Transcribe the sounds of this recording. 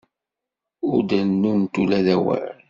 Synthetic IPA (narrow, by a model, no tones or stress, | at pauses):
ʊɾd̪ænːunt̪ulæðæwə̰ɾ